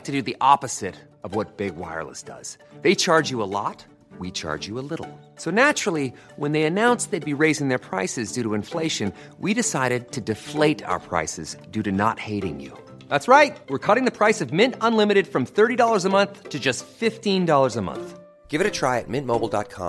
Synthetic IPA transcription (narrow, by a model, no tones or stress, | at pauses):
tʰɨdɨðiʔɑpɨz̥ɪɾ | ʌvwʌt̚b̥ɪɡ̚wa̰ɪə̰˞lˠə̰sd̥ʌ̰z̥ðeɪt͡ʃʰɑɹd͡ʒjɨəlɔ̰t̚ | wit͡ʃʰɑ̰ɹd͡ʒɨəlɪɾl̩ˠ | soʊnæt͡ʃɹ̥l̩ˠi | wə̃nðeɪɨnãʊ̃nsðeɪd̚biɹeɪzɪ̃ŋðə˞pʰɹ̥aɪsɨzdʉɾəɨ̃ɱfleɪʃɨ̃n | wiɾɨsaɪɾɨd̚tʰɨdɨfleɪɾa̰ʊə̰˞pʰɹ̥a̰ɪsɨ̰zdʉɾɨnə̰t̚heɪɾɪ̰̃ŋjʉ̰ | ðætsɹaɪt̚wɨɹkʰʌɾɪ̃ŋðɨpʰɹ̥aɪsʌvmɪ̃ntə̃nlɪ̃mɨɾɨd̥fɹʌ̃mθɜ˞ɾidɔlˠə˞zəmʌ̃nθtʰɨd͡ʒʌstfɪftĩndɔlˠə˞zəmʌ̰̃nθ | ɡ̥ɪvɨɾɨtʰɹ̥aɪɨ̰t̚mɪ̃nmoʊbl̩ˠdɑ̰t̚kʰɑ̰̃m